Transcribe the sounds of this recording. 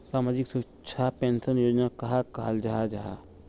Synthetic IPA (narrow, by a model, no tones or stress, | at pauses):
saːmaːd͡ʒɪksu | t͡ʃʰapeːnsənjoːd͡ʒnakɐɦakaːald͡ʒaɦad͡ʒaɦa